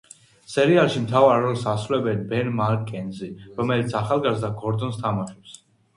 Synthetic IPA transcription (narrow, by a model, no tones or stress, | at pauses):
sɛɾialˠʃimt̪ʰavaɾːɔlˠsasɾulɛbɛnbɛnmaɾkkʼːɛnziɾɔmɛlit̪sʰaχalˠɡazd̪aɡɔɾd̪ɔnst̪ʰamaʃɛps